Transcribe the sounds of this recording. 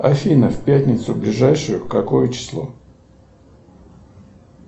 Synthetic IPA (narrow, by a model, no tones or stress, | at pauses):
ɐ̰fʲinəfpʲætʲnʲɪt̪sʊblʲɪʐajʂʊjʊkɐko̞jət͡ɕɪ̥slˠo̰